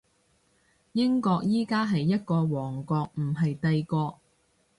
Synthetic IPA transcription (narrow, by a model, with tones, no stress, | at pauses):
jɪ˥ŋkɔː˧k̚jiː˥kaː˥ɦɐ˨jːɐ˥t̚kɔː˧wɔː˨˩ŋkɔː˧k̚m̩˨˩ɦɐ˨jt̪ɐ˧jkɔː˧